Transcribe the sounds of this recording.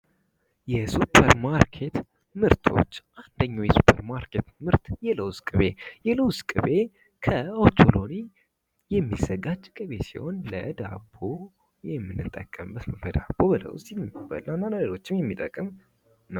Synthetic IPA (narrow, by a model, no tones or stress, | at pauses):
jɛsupʰːəɾmaɾkʰe̞t̪ | mɨɾt̪ʰo̞̰t͡ʃːʔand̪əɲːawjɛsu̥pʰəɾmaɾkʰe̞t̪mɨɾt̪jɛləwskʼɨβe̞jɛləwskʼɨβe̞ | kʰəot̪ʰoloni | jɛmːizəɡad͡ʒkʼɨβe̞sḭho̞nləd̪a̰bo | jɛmːɨnːɨt̪ʼəkʼːəmbət̪bəd̪abːobələ̰w̰sjɛmːɨbə̰lanːaləlelo̞t͡ʃːɪmjɛmːit̪ʼəkʼːɨm | nə